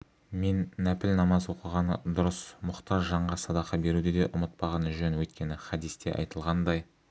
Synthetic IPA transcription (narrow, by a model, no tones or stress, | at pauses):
me̞nːæpɪlnɑmɑzwo̞qəʁɑnəd̪ʊɾəsmʊqt̪ɑʒʒɑɴʁɑsɑd̪ɑqɑbe̞ɾud̪ɪd̪e̞ʔʊmət̪̚pɑʁɑnʒɵnwɵt̪kʲe̞nɪχɑd̪ist̪e̞̰ʔɑ̰jt̪əlˠʁɑnd̪ɑj